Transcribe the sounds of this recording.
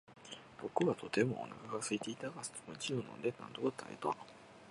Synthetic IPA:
b̥o̞kɯ̟βat̪ʰo̞t̪e̞mo̞̰o̰na̰kaɡasɨit̪e̞it̪aɡasɨ̥t̪omot͡ɕionõ̰nd̪enã̰nd̪okot̪ʰa̰ḛt̪a

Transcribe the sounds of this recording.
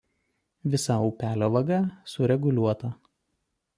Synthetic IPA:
ʋʲɪsɐɔʊpʲæːlʲoːʋɐɡɐˑsʊɾʲɛɡʊlʲuɔt̪ɐ

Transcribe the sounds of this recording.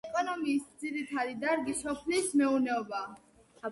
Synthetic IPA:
kʼɔnɔmiːsd̪ziɾit̪ʰad̪id̪aɾɡisɔpʰliːsmɛunɛɔbaː

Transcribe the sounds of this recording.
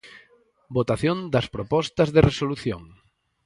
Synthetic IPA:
bot̪aθjõnd̪ɐspɾopɔst̪ɐzðeresoluθjo̰ŋ

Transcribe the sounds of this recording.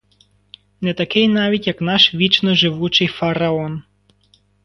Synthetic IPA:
nɛt̪ɐkɪjnɑʋʲitʲjɐknɑʃʋʲit͡ʃnɔʒɪʋut͡ʃɪjfɐɾɐɔn

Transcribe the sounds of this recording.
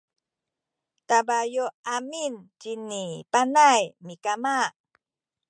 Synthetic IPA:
t̪abajoamint͡ʃinipanajmikamaʔ

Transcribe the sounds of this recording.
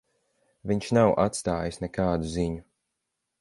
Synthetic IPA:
viɲʃnawʔa̰t̪st̪aːjisnekaːd̪uziɲu

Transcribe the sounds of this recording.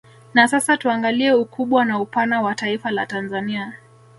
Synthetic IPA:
nasasatuaŋɡaliɛukuɓwanaupanawataifalatanzania

